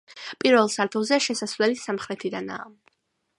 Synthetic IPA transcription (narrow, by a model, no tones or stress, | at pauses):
pʼiɾvɛlˠsaɾt̪ʰɔzɛʃɛsasvlɛlisamχɾɛt̪ʰid̪ana̰ː